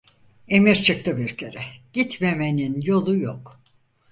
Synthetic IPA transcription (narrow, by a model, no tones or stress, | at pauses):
e̞miɾt͡ʃʰɯk̚t̪ʰɯbiɾcʰeɾɛɟ̥it̪me̞me̞ninjo̞lˠujok